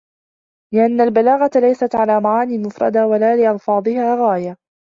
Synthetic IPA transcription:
lɪʔanːalbalaːɣat̪lajsat̪ʕalaːmaʕaːniːmʊfɾˤɑ̰d̪awalaːlɪʔɑlfɑːd̪ˤɨhaːɣaːja

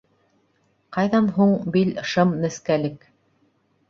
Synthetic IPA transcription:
qɑjðɑnɦuɴbilʃɤmnɘ̆skælɘk

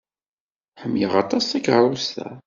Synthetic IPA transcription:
ħəmːjəʁɑt̪ˤɑsækɾˤulst̪æ̰

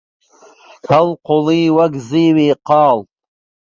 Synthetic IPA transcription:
hʰalqʰoliːwaɡziwiːqʰɑːltʼ

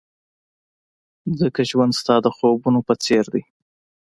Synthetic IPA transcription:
zəkaʒwand̪st̪ɑd̪əxobunopət͡seɾd̪əj

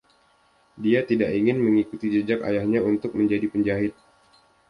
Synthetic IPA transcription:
diat̪idaʔiŋɪnməŋikut̪id͡ʒəd͡ʒaka̰jahɲaunt̪ʊk̚məɲd͡ʒadipəɲd͡ʒaɦɪt̪̚

